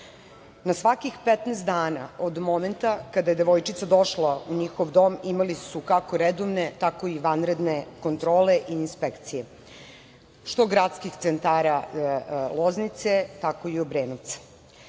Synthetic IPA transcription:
nasʋakixpet̪nɛst̪d̪aːnaod̪mo̞me̞nt̪akad̪aje̞d̪eʋo̞jt͡ʃit̪sad̪o̞ʃlauɲixoʋd̪o̞mimalisukako̞ɾed̪oʋne̞t̪ako̞iʋanɾed̪neko̞nt̪ɾo̞ːleʔiːnspekt̪sije | ʃt̪oɡɾat̪skixt̪sent̪aːɾa | lˠo̞znit̪se̞t̪ako̞iobɾeːnut̪sḁ

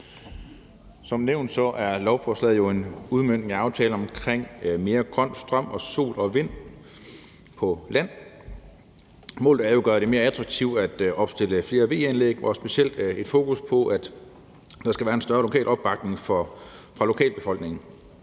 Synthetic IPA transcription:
sɒ̽mneʊ̰nd̥sɒ̽ʔæɐlɒʊfɒslɛð̩̰ˠjo̝e̝nuð̞ˠmøn̰d̥eŋæɑ̈ʊt͡sʰɛːləɒ̽mkʰʁeŋ̰me̝ːɐɡ̥ʁɶn̰sd̥ʁɶm̰ɒ̽so̝̰ːlɒ̽ʋe̝n̰ | pʰɒ̽læn̰ | mo̰ːlð̩ˠæɐjo̝ɡ̥ɶɐɾ̥e̝me̝ːɐæt͡sʰʁɑ̈ɡ̥̚t͡sʰiʊ̰d̥æd̥ɒ̽b̥sd̥e̝ləfle̝ːɐʋe̝̰ːenleɡ̥ɒsb̥e̝siel̰d̥e̝d̥fo̝ːkuspʰɒ̽ʔæd̥ | d̥ɑ̈sɡ̥æʋæːɐe̝nsd̥ɶɐlo̝kʰɛ̰ːlʔɒ̽b̥ːɑ̈ɡ̥ne̝ŋf | fʁɑ̈lo̝kʰɛ̰ːlb̥e̝fɒ̽l̰ɡ̥ne̝ŋ

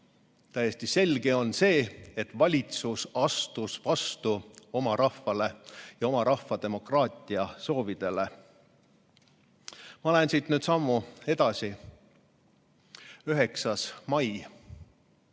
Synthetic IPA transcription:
t̪æjesʲt̪ise̞lɡ̥e̞o̞nse̞ːet̪ːˑvɑlʲit̪susɑst̪usvɑst̪uo̞mɑɾɑhvɑle̞jɑo̞mɑɾɑhfɑd̪e̞mo̞krɑːt̪ʲˑiɑso̞ːvid̪̥e̞le̞ | mɑolensiːt̪nyːd̪sɑmːue̞d̪̥ɑsi | yɦe̞ksɑsmɑj

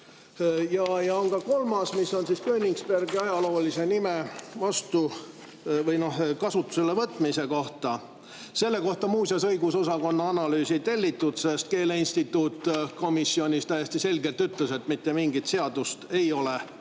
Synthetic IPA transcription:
jɑjɑonkɑko̞lmɑsmisːo̞nsiskøːnʲiŋkspærɡiɑjɑlo̞ːlise̞nimevɑst̪u | vɤjno̞hkɑsut̪ːˑu̥selːevɤt̪ːˑmise̞ko̞ht̪ɑ | se̞lːe̞ko̞ht̪ɑmuːsjɑsɤ̞jɡuso̞sɑko̞nːɑɑnɑlyːsit̪e̞lʲːit̪ːˑut̪se̞st̪̚ke̞ːleinst̪it̪ːuːt̪ːko̞misːio̞nʲist̪æjesʲt̪ise̞lʲɡe̞lt̪yt̪ˑlese̞t̪mit̪ːe̞miŋɡit̪se̞ɑd̪̥ust̪e̞jo̞le̞

